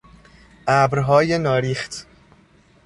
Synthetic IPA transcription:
ʔæbɾɦɒːjenɒːɾiːχt̪ʰ

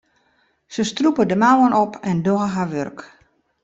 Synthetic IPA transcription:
səstrupədəmawənʔɔpʰɛndoəɦaʋørk

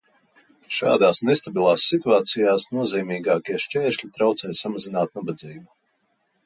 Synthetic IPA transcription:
ʃa̰ːd̪aːsnest̪abilˠaːsːit̪uaːt̪sijaːsnuɔziːmiːɡaːkʲiɛʃt͡ʃɛːʃlʲit̪ɾawt̪sɛːjsamazinaːt̪̚nabad̪ziːbu

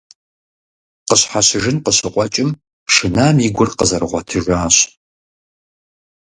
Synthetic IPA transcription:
qəɕħaɕɨʒɨnqəɕɨqʷʼɔt͡ʃʼɪm | ʂɨnaːmiɡʷʊrqəzɐrʁʷɔtʰɨʒʷaːɕ

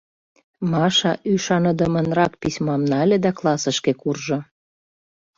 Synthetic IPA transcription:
mɑʃɑʔyʃɑnəd̪əmə̆nrɑk̚pisʲmɑmnɑlʲĕd̪æklˠɑsə̆ʃkekurʒŏ

